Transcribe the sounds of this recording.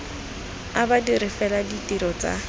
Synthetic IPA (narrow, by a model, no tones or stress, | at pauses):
abadirɪfɛladitiɾɔt͡sʼa̰